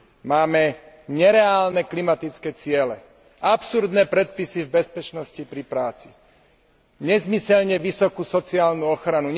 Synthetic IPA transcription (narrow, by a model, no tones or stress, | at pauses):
maːmɛ | ɲɛɾɛaːlnɛklimat̪it͡skɛːt͡sɪɛlɛ | apsuɾd̪nɛpɾɛt̪̚pisivbɛspɛt͡ʃnɔscipɾipɾaːt͡si̥ | ɲɛzmisɛʎɲɛʋisɔkusɔt͡siaːlnuɔxɾanuɲ